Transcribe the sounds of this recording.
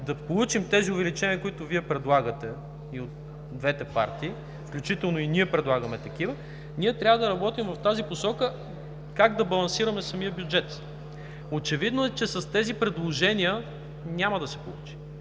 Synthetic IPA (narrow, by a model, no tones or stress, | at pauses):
d̪ɐpolˠut͡ʃimt̪ɛziʊvɛlit͡ʃɛniəkʊit̪ʊviɛpɾɛd̪lˠaɡət̪ɛ | iot̪ | d̪vɛt̪ɛpa̰ɾt̪iː | fklʲut͡ʃit̪ɛlˠnoiniɛpɾɛd̪lˠaɡɐmɛt̪ɐk̟ivə | niɛt̪ɾʲavəd̪ɐɾɐbɔt̪imvɐft̪aziposɔkə | kaɡd̪ɐbɐlˠɐnsiɾɐmɛsɐmiəbjʊd͡ʒɛt̪ | ot͡ʃɛvid̪noɛt͡ʃɛsɐst̪ɛzipɾɛd̪lˠoʒɛniə | nʲamɐd̪ɐsɛ̥po̰lˠṵt͡ʃi̥